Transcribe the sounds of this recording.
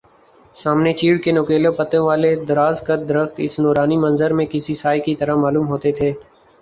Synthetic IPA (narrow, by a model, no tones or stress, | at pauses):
saːmnet͡ʃiːɽkenʊkeːləpət̪ẽʋaːled̪ɐɾaːzkəd̪əɾəxt̪ɪ̰snoːɾaːnimə̃nzəɾmẽkɪsisaːjkit̪əɾəmaːluːmɦoːt̪et̪ʰeː